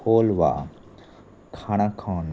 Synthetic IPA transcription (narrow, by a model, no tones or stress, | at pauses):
oːlʋa̰ | kʰaɽ̃akʰaːn